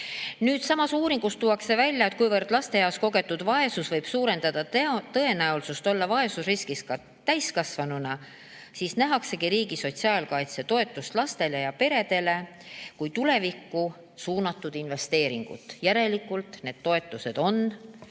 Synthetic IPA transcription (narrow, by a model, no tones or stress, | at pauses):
nyːd̪̥sɑmɑsuːɾiŋɡ̥ust̪uwɑkse̞vælʲjɑe̞t̪̚kujvɤrd̪̥lɑst̪e̞jɑwsko̞ɡe̞t̪ːˑud̪̥vɑe̞susvɤjb̥suːɾe̞nd̪̥ɑd̪̥ɑt̪ɤ̞e̞næulsust̪o̞lːɑvɑe̞susriskiskɑ | t̪æjskɑsvɑnunɑ | siːsnæɦɑkse̞ɡiɾiːɡ̥iso̞t̪siɑːlkɑjt̪se̞t̪o̞e̞t̪ːˑust̪lɑst̪e̞le̞jɑpe̞ɾe̞d̪̥e̞le̞ | kujt̪ule̞vikːˑu | suːnɑt̪ːˑud̪inve̞st̪e̞ːɾiŋɡ̥ṵt̪ːˑjæɾe̞likːˑult̪ˑne̞ːd̪̥t̪ːo̞e̞t̪ːˑuse̞d̪̥o̞n